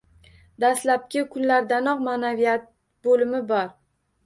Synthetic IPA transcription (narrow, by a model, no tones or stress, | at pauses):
d̪ast̪lap̚kʲɪkʰʊnlaɾd̪anɒqmanavijat̪̚ | bolɪmɪbɒɾ